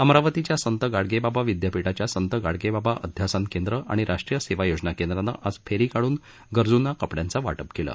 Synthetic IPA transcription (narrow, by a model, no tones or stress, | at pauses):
əmɾaʋət̪it͡ɕjasənt̪əɡaɽɡebabaʋid̪japiʈat͡ɕjasənt̪əɡaɽɡebabaʔə̰d̪ʱjasankend̪ɾəʔa̰ɽ̃iɾʔaʂʈɾijəseʋajod͡ʑnakend̪ɾanːə̰ʔad͡zfʰeɾikaɽuːn | ɡəɾd͡zunakəpɽjant͡saʋa̰ʈəpkelə̰